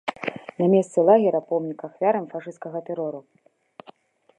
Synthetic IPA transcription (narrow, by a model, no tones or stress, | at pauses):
namʲɛst̪sɛlˠaɣʲɛɾɐpɔmnʲikaxvʲaɾɐmfaʂɨskɐɣɐt̪ɛɾɔɾu